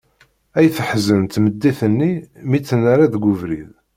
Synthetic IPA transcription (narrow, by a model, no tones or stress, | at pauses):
æjθəħzənt̪məd̪ːiθənːimit͡sːənːaɾaðɡʊvɾḭð